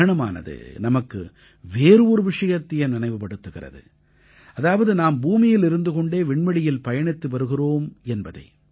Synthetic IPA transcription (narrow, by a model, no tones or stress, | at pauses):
ɐɳɐma̰ːnɐ̰ðɯ̰nɐmɐkːɯ̰ | ʋeːɾɯuɾɯʋɪʂɐjɐt̪ːɪjɐnnɪnɐɪʋɯpːɐɽɯt̪ːɯɣɪrɐ̰ðɯ̰ | ɐðaːʋɐðɯnaːmbuːmɪjɪlɪɾɯnd̪ɯkɔɳɖeːʋɪɳbɐɽɪjɪlpɐjɐɳɪt̪ːɯʋɐɾɯɣɪroːmɛnbɐðɐ̰ɪ